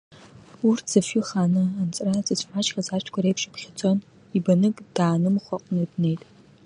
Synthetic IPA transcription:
urʰz̥ɐfiχaːnɨant͡sʼrat͡sʼɨsʰʼħʷat͡ʃʼxɐzaːt͡ʃʰkʷʰɐɾejpʃʼɪpχʲɪt͡sʼon | ibɐnɨkʼd̥aːnɨmχʷɔqʼnɨdnejtʼ

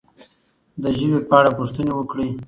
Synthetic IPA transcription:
d̪əʒəwepaɽapuʂt̪ənewəkɽi

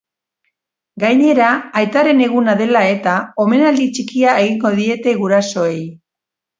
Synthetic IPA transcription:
ɡajɲe̞ɾaːjt̪aɾe̞ne̞ɣ̞unaðe̞lae̞t̪ao̞me̞nald̪it͡ʃikiae̞ɣiŋɡo̞ðie̞t̪e̞ɣuɾaso̞e̞j

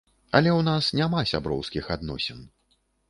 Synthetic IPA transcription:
ɐlʲɛwnasnʲamasʲa̰bɾɔ̰wskʲixad̪nɔsʲɛn

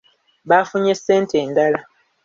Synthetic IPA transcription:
βafuɲese̞ːntʰeːndala

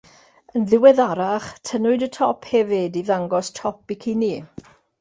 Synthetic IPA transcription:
ənðɪwɛðaɾaχtʰənʊɨdətʰɔpʰhɛvɪdiðaŋɡɔstʰɔpikʰiniː

